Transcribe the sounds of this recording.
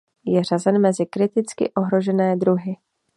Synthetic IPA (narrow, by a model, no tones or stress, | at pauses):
jɛrazɛnmɛzɪkɾɪt̪ɪt͡skɪ̰ʔo̞ɦɾo̞ʒɛnɛːd̪ɾuɦɪ